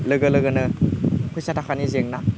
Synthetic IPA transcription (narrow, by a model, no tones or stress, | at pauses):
lɯɡɐlɯɡɯnɯkʰujsatʰakʰanizeŋna